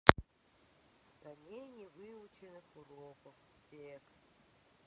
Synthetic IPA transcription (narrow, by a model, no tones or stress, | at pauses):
st̪anʲenʲɪvɨʊt͡ɕɪnɨxʊɾopəx | tʲekst̪